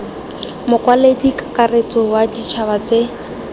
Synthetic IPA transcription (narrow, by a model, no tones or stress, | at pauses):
mʊkʼwaledikakaret͡sɔwadit͡ʃʰaβat͡se